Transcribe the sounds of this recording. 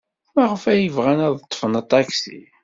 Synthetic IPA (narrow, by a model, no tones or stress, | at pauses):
mæʁəfæjəvʁænæðˤət̪ˤːfənt̪ˤːɑksḭ